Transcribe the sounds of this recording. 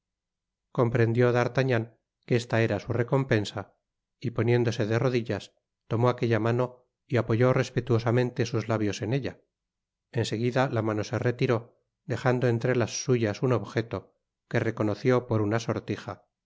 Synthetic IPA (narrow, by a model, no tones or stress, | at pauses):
ko̞mpɾe̞nd̪jo̞ðaɾt̪aɲaŋ | keest̪ae̞ɾasure̞ko̞mpe̞nsa | ipo̞nje̞nd̪o̞se̞ðe̞ro̞ðiʎas | t̪o̞mo̞ake̞ʎamano̞ | iapo̞ʝo̞re̞spet̪uo̞samẽ̞nt̪e̞suzlaβjo̞se̞ne̞ʎa | e̞nse̞ɣ̞iðalamano̞se̞re̞t̪iɾo̞ | d̪e̞χand̪oe̞nt̪ɾe̞lasːuʝasuno̞βxe̞t̪o̞ | kere̞ko̞no̞θjo̞po̞ɾunaso̞ɾt̪ixa